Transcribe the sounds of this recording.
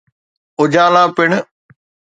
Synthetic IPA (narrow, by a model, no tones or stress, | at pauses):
ʊd͡ʑaːlãːpɪɳ